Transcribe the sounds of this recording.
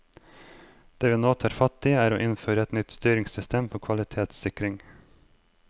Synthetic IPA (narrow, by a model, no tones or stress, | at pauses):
d̪̥eːʋiːnoːt̪ʰɑːɾfɑt̪ɪæːɾo̰ːʔɪnføːɾəɛt̪nʏt̪st̪yːɾɪŋsʏst̪ʰeːmpʰɔkʰʋɑlɪt̪ʰeːt̪sɪkɾɪŋ